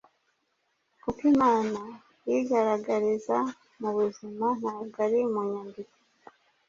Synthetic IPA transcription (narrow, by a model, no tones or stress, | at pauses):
kukimaːna | jiɡaɾaɡaɾiza | muβuziman̥haːɡaɾimuɲandiko̥